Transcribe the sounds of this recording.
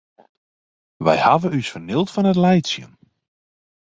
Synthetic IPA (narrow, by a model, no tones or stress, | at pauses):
ʋɛ̰jhavənysfərnɪlˠtfɔnɦətlɛjsjə̰n